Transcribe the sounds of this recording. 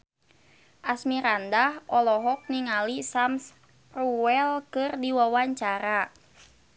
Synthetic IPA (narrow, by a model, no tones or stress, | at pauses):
ʔasmiɾandahʔɔlɔɦɔk̚niŋalisams | ruwɛlkɨrdiwawaɲt͡ʃaɾa